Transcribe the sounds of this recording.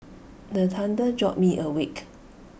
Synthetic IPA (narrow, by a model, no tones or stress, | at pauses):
dət̪ʰãndəd͡ʒɔt̚miʔəwik